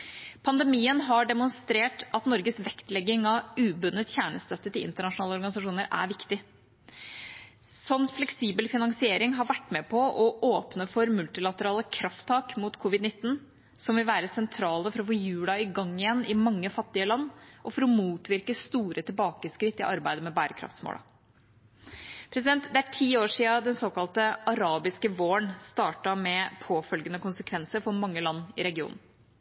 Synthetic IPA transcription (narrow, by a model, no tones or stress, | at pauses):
pʰɑnd̪ɛmiːənɦɑɖɛmʊnst̪ɾeːʈɑt̪nɔɾɡəsʋɛkt̪lɛɡːɪŋɑʉːbʉnːət̪çæːɳəst̪œt̪ːət̪ɪlɪ̰nt̪əɳɑʂʊnɑːləɔɾɡɑnɪsɑʂuːnəɾæ̰ɾʋɪkt̪ɪ | sɔnːflɛksiːbəlfɪnɑŋsɪeːɾɪŋɦɑɾʋæʈːmɛpʰɔʔɔʔoːpnəfɔɾmʉlt̪ɪlɑt̪əɾɑːləkʰɾɑft̪ʰːɑːkmuːt̪kʰʊʋɪd̪nɪt̪ːn̩ | sɔmʋɪlʋæːɾəsɛnt̪ʰɾɑːləfɔɾɔfoːjʉːlɑɪɡɑŋːɪjɛnːɪmɑŋːəfɑt̪ːɪəlɑnːʔɔfɔɾɔmuːt̪ʋɪɾkəst̪uːɾət̪ʰɪlbɑːkəskɾɪt̪ːɪʔɑɾbæɪd̪əmɛbæːɾəkʰɾɑ̰ft̪smo̰ːlɑ̰ | pʰɾɛsɪd̪ɛnt̪d̪ɛæʈʰiːoːʂiːɑd̪ɛnsoːkɑlt̪əʔɑɾɑːbɪskəʋoːəɳst̪ɑːʈɑmɛpʰoːfœlɡənəkʊnsəkʰʋɛnsəɾfɔɾmɑŋːəlɑnːɪ̰ɾɛɡɪṵːnn̩